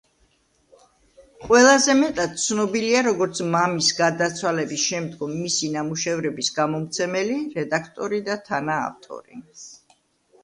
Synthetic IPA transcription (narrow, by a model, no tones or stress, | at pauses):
qʼwɛlˠazɛmɛt̪ʼad̪̥̚t̪sʰnɔbiliaɾɔɡɔɾt̪sʰmamisɡad̪at̪sʰwalɛbisʃɛmd̪ɡɔmːisinamuʃɛvɾɛbisɡamɔmt̪sʰɛmɛliɾɛd̪akʰt̪ʼɔɾid̪at̪ʰana̰ːft̪ʼɔ̰ɾḭ